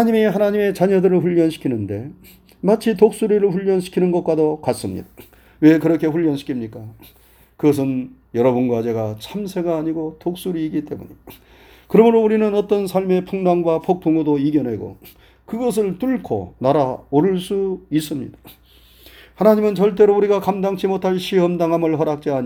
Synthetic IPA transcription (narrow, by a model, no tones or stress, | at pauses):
aɲimiɦanaɲime̞t͡ɕaɲʌdɯɾɯɭɸuʎːʌnɕʰi̥kʰinɯnde̞ | mat͡ɕʰitok̚s͈uɾiɾɯɭɸuʎːʌnɕʰi̥kʰinɯnɡʌt̚k͈wadokas͈ɯmɲḭd̥̪a | we̞kɯɾʌkʰe̞ɸuʎːʌnɕʰi̥kʰimɲik͈a | kɯɡʌs̬ʰɯnjʌɾʌbunɡwad͡ʑe̞ɡat͡ɕʰamsʰe̞ɡaːɲiɡotok̚s͈uɾiːɡit͈e̞mṵɲḭ | kɯɾʌmɯɾouɾinɯnʌt͈ʌnsʰaɭme̞pʰuŋnaŋɡwapʰok̚pʰoŋudoiɡjʌnɦe̞ɡo̰ | kɯɡʌs̬ʰɯɭtuɭkʰo̰naɾaoɾɯɭs͈uis͈ɯmɲḭdḁ | hanaɲimɯnt͡ɕʌɭt̬͈e̞ɾouɾiɡakamdaŋt͡ɕʰimotʰaɭɕʰiɦʌmdaŋɦamɯɭɦʌɾak̚t͡ɕ͈iaɲ